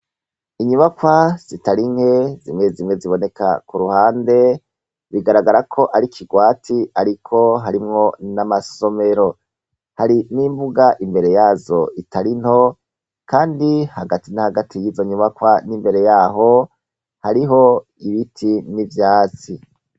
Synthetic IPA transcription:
iɲuβakwaz̥itaɾiŋ̥he̞zimŋe̞zimŋeziβo̞ne̞ka̰kuɾuhaːnde̞ | βiɡaɾaɡaɾakʰo̞ʔaɾikʰiɡwaːtʰiaɾikʰo̞ɦaɾimŋo̞namaso̞me̞ɾo̞ | haɾiniːmbuɡaʔimbe̞ɾe̞jaːzo̞ʔitʰaɾin̥ho̞ | kaːndihaɡatinahaɡatʰijizo̞ɲuβakwanimbe̞ɾe̞jaːɦo̞ | haɾiɦo̞ | iβitʰinivjaːt͡si

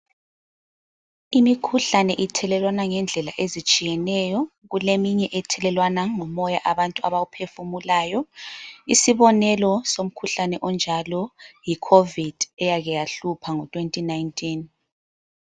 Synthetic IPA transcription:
imikʰuɬanɛʔitʰɛlɛlwanaŋɛnd͡ɮʱɛlaʔezit͡ʃʼijɛnɛjɔ | ɣulemiɲɛʔɛtʰɛlɛlwanaŋɔmɔjaʔaβantʼua̰βaɣupʰefumulaːjɔisiβɔnɛlɔsom̩kʰuɬanɛʔɔnd͡ʒʱalɔjikʰovid̥ɛjaɣɛjaɬupʰaŋɔtʰʼwentʼinajntʼʰin

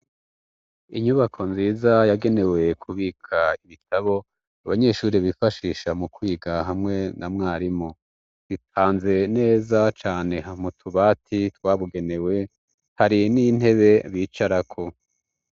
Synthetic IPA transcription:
iɲuβakʰo̞nziːzajaɡe̞ne̞we̞kʰuβiːkʰaiβitʰaβo̞ | aβaɲe̞ʃuːɾiβifaʃiːʃamukwiːɡaɦamŋe̞namŋaːɾimo | zit̚ʰaːnze̞ne̞ːzat͡ʃaːneamutʰuβaːtʰitwaːβuɡe̞ne̞we̞ | haɾinin̥he̞βe̞βiːt͡ʃaɾakʰo̞

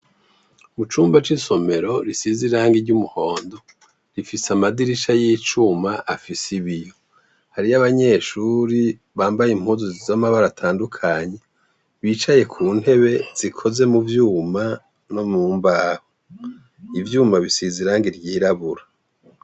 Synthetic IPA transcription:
mut͡ʃuːmbat͡ʃiso̞me̞ɾo̞ɾisiziɾaːŋɡiɾɟumuho̞ːndo̞ | ɾifisamadiɾiʃajit͡ʃumaʔafisiβijo̞ | haɾiaβaɲe̞ːʃuːɾi | βaːmbajim̥huːzozizamaβaɾatʰaːndukʰaɲe̞ | βiːt͡ʃaje̞kʰuːn̥he̞βe̞z̥ikʰo̞ze̞muvjuːma | nomuːmbaːho | ivjuːmaβisiziɾaːŋɡiɾɟiːɾaβuɾa

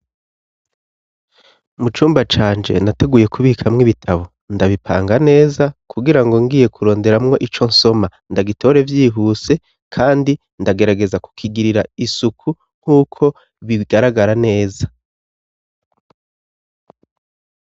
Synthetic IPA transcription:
mut͡ʃuːmbat͡ʃaːnd͡ʒe̞̰nate̞ɡuːje̞kuβiːkʰamŋiβitʰaβo̞ | ndaβipʰa̰ːŋɡane̞ːzakʰuɡiɾaŋɡo̞ŋɡiːje̞kʰuɾo̞ːnde̞ɾamŋo̞ʔit͡ʃo̞nso̞ma | ndaɡitʰo̞ɾe̞vjiːɦuse̞ | kʰaːndi | ndaɡe̞ɾaɡe̞zaku̥kʰiɡiɾiɾaisukʰu | ŋ̥huːkʰo̞ | βiɡaɾaɡaɾane̞ːza

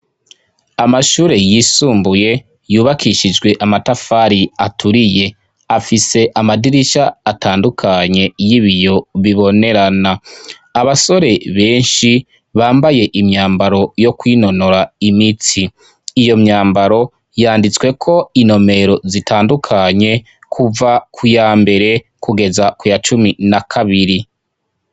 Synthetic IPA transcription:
amaʃuːɾe̞jisuːmbuje̞ | juːβakiʃid͡ʒɡwe̞ʔamatafaɾiatʰuɾije̞ | afise̞ʔamadiɾiʃaːtʰaːndukʰaɲe̞jiβijo̞βiβo̞ne̞ɾana | aβaso̞ɾe̞βe̞ːnʃi | βaːmbaje̞ʔimɲaːmbaɾo̞jo̞kwiːno̞no̞ɾaimit͡siː | jo̞mɲaːmbaɾo̞ | jaːndit͡swe̞kʰo̞ino̞me̞ɾo̞zitʰaːndukʰaɲe̞ | kʰuvakʰujaːmbe̞ɾe̞ | kuɡe̞zakujat͡ʃuminakʰaβiɾi

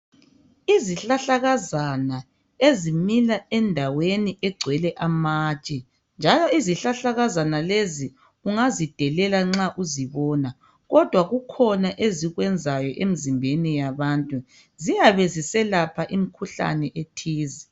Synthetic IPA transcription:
iziɬaɬaɣazana | ezimilaɛndʱaweniʔɛɡ͡ǀʱwɛlɛʔamaːt͡ʃʼɛ | nd͡ʒʱalɔiziɬaɬaɣazanalezi | uŋazid̥ʱɛlɛlaŋ͡ǁaʔuziβɔːna | ɣɔd̥ʱwaɣukʰɔnaʔeziɣwɛnd͡zʱajɔʔemizimbʱenijaβaːntʼu | zijaβezisɛlapʰaʔimikʰuɬa̰nɛʔetʰiːzi

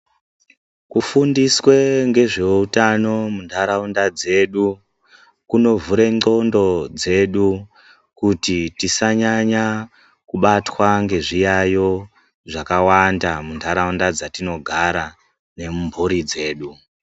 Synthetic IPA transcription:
kufundiswe̞ŋɡe̞ʐe̞utano̞mundʰʱaɾaundad͡ze̞ɗu | kuno̞vuɾe̞ŋ͡ǃo̞ndo̞d͡ze̞ɗu | kutitisaɲaɲa | kuɓatwaŋɡe̞ʐijajo̞ | ʐakawandamundʰʱaɾaundad͡zatino̞ɡʱaɾa | ne̞mumbʱuɾid͡ze̞ːɗu

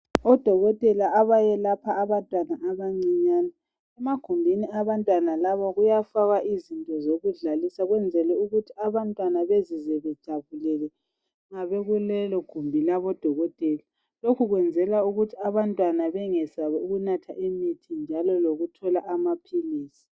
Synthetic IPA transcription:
ɔd̥ʱɔɣɔtʼɛlaːβajɛlapʰaːβantʼwanaʔaβaŋ͡ǀiɲaːnɛ | ɛmaɡ̥ʱumbʱiniaβantʼwanalaβɔɣujafaɣaʔizintʼɔzoɣuɮalisaɣwɛnd͡zʱɛlɛuɣutʰiaβantʼwanaβezizɛβɛd̥ʒ̥ʱaβulɛlɛ | ŋaβeɣulɛlɔɡ̥ʱumbʱilaβɔd̥ʱɔɣɔtʼɛla | lokʰuɣwɛnd͡zʱɛlauɣutʰiaβantʼwanaβɛŋɛsaβɛuɣunatʰa̰ʔimitʰind͡ʒʱalɔloɣutʰɔlaʔamapʰiliːsi̥

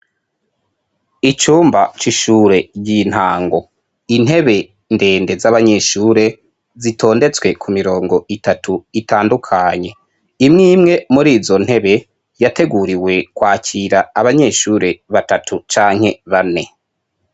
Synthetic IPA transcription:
it͡ʃuːmbat͡ʃiʃuːɾe̞jin̥haːŋɡo̞ | in̥e̞βe̞ | nde̞ːnde̞zaβaɲe̞ʃuːɾe̞ | zitʰo̞ːnde̞t͡swe̞kʰumiɾo̞ːŋɡo̞itatʰuitaːndukʰaɲe̞ | imŋiːmŋe̞muɾiːzo̞n̥he̞βe̞ | jate̞ɡuɾiwe̞kwaːcʰiɾaːβaɲe̞ʃuːɾe̞βatatʰut͡ʃaːŋhe̞βane̞

